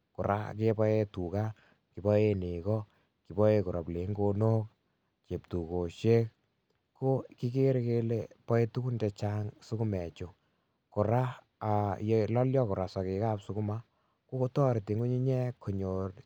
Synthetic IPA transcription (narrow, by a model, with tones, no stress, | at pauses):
kʊ˨ɾʔa̰˦ke˦pɔ˦e˦tu˨ka˦ | ki˨bɔ˦e˦ne˨kɔ˦ | ki˨bɔ˦e˦ku˨ɾa̰˨ple˨˦ŋɡo˧no˦k̚ | ke˨p̚tu˨ko˨ʃe˦k̚ | ko˦ki˦ke˦ɾke˦lepɔ˦e˦tu˦ku˦ndɛ˧t͡ʃa˦ŋsu˦ku˦mɛ˨t͡ʃo˨ | kʊ˨ɾa˦ | a˨jelɔ˦ljɔ˦kʊ˨ɾa˨sɔ˨ke˨ka˦psu˦ku˦ma˦ | ko˦ko˦tɔ˦ɾti˨ŋu˦ɲi˦ɲɛ˦kʰo˨ɲo˨r